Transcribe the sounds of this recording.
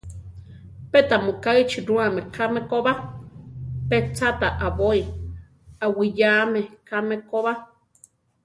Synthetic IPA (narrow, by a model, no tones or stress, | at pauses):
pet̪amokait͡ʃiɾuamekʰamekoβa | pet͡sat̪aʔaβoi | awijaːmekʰamekoβa